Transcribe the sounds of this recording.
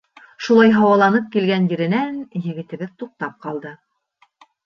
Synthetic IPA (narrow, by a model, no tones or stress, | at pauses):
ʃulˠɑjɦɑwɑlˠɑnɤp̚kilɡænjɘ̆ɾɘ̆nænjɘ̆ɡɘ̆t̪ɘ̆βɘðt̪uq̚t̪ɑp̚qɑlˠd̪ɤ